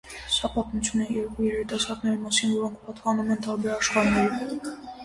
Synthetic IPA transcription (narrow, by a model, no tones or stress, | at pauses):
sɑpɑt̪mut͡sʰjunɛjɛɾkujɛɾit̪ɑsɑɾɡnɛɾimɑsinvɔɾɔŋkʰpɑt̪pɑnumɛnt̪ɑɾbɛɾɑʃχɑɾnːɛɾiv